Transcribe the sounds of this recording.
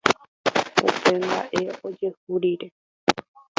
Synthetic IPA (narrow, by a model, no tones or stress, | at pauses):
ṵpemba̰ʔeod͡ʒehuɾiɾe